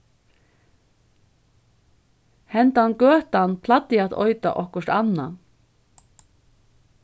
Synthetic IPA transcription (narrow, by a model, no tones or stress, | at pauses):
hɛnt̪aankœːht̪anpʰlat̪ːɪat̪ɔ̰ʏt̪a̰ʔɔhkʊʂt̪anːa̰